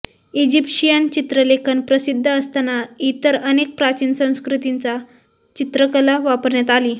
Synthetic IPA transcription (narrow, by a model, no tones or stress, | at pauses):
id͡ʑipɕijənt͡ɕit̪ɾəlekʰənpɾəsid̪ʱːəːst̪anait̪əɾənek̚pɾat͡ɕinsə̃w̃skɾut̪int͡sa | t͡ɕit̪ɾəkəlaʋapəɾɳjat̪aliː